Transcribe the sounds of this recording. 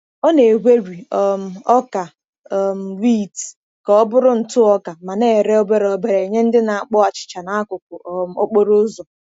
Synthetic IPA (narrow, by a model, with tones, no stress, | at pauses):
ɔ˦ne˨ɦʷe˦ɾi˨ɔ˨m̩˨ɔ˦ka˨ | m̩˨wi˦t | kɔ˦ɔ˦bʊ˦ɾʊ˦n̩˨tʊ˦ɔ˦ka˨ma˨ne˦˨ɾe˦o˦be˦ɾɔ˨be˦ɾe˨ɲe˦n̩˦dɪ˦na˨a˨k͡pɔ˦a˨t͡ʃɪ̥˨t͡ʃa˨na˨a˦kʊ˨kʷʊ˨ʔm̩˨o˦k͡po˦ɾʊ˦zɔ˨